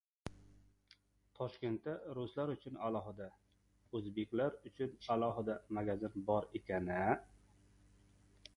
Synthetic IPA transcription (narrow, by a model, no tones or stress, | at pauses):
t̪ʰɒʃkʲe̞nt̪ːaɾʊslaɾʊt͡ʃʰʊnalˠɒɦɪd̪a | ɵzbekʲlaɾʊt͡ʃʰʊnalˠɒɦɪd̪amaɡʲazɪnbɒɾekʲanɪ